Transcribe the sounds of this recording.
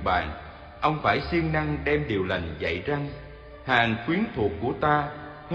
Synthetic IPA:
ɓa̰ː˧˨n | ʔə˧wŋ͡mfaː˧˩jsi˧əŋna˧ŋɗɛ˧mɗi˨˩əwlə˨˩ŋzə̰˧˨jza˧ŋ | haː˨˩ŋxwi˨˦ənt̪ʰu˨˩ək̚ːu˧˩ət̪aː˧ | h

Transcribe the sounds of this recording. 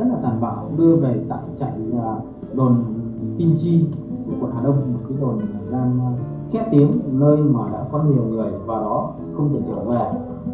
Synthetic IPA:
ə˦˥t̚laː˨˩t̪aː˧˨˩nɓaː˧˩wɗɨ˧əve˨˩t̪a̰ː˧˨jt͡ɕa̰ː˧˩˨jaː˨˩ | ɗo˨˩nt̪i˧mt͡ɕi˧ku˧˩əku˧˩˨nhaː˨˩ɗə˧wŋ͡mmo˨˩t̚kaː˨˦jɗo˨˩na˨˩zaː˧ŋ˧ | xɛ̰˦˥t̪i˨˦əŋnəː˧jmaː˨˩ɗa̰ː˧˥kɔ˨˦nmi˨˩əwŋɨ˨˩əjvaː˨˩wɗɔ˨˦ | xə˧wŋ͡mkə˨˧˩t͡ɕḭ˧˩˨vɛ˨˩

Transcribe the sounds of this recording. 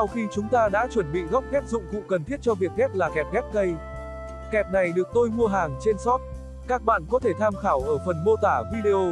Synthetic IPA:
sa˧wxi˧t͡ɕʊ˨˦ŋ͡mt̪aː˧ɗa̰ː˧˥t͡ɕwə˧˩nɓḭ˧˨ɣɔ˦˥wp̚ɣɛ˦˥t̚zʊ̰˧˨ŋ͡mkʊ̰˧˥ŋ͡mkə˨˩nt̪ʰi˦˥ət̚t͡ɕɔ˧vi˨˩ək̚ɣɛ˦˥t̚laː˨˩kɛ˨˩p̚ɣɛ˦˥t̚kə˧j | kɛ˨˩p̚na˨˩jɗɨ˨˩ək̚t̪o˧jmu˧əɦaː˨˩ŋt͡ɕe˧nsɔ˦˥p̚ | kaː˦˥k̚ɓa̰ː˧˨nkɔ˨˦t̪ʰe˧˩t̪ʰaː˧mxaː˧˩wʔəː˧˩fə˨˩nmo˧t̪aː˧˩vi˧ɗe˧ʔo˧

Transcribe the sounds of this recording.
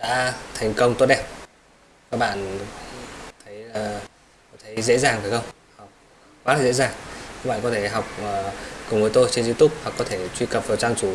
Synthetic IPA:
ɗa̰ː˧˥t̪ʰa˨˩jŋ̟kə˧wŋ͡mt̪o˧ɗɛ˧˥p̚ | kaː˦˥k̚ɓa̰ː˧˨n | t̪ʰə˨˦jlaː˨˩˧ | t̪ʰə˨˦jzḛ˧˥zaː˨˩ŋvaː˨˩xə˧wŋ͡m | ha˨˩wk͡p̚ | kwaː˨˦laː˨˩zḛ˧˥zaː˨˩ŋka˦˥ɓa̰ː˧˨kɔ˨˦t̪ʰe˧˩ɦa˨˩wk͡p̚ʔəː˨˩kʊ˨˩ŋ͡mvəː˨˦jt̪o˧jt͡ɕe˧nzi˧t̪u˦˥p̚ha˨˩kːɔ˨˦t̪ʰe˧˩t͡ɕwi˧kə˨˩p̚vaː˨˩wt͡ɕaː˧ŋt͡ɕu˧˦

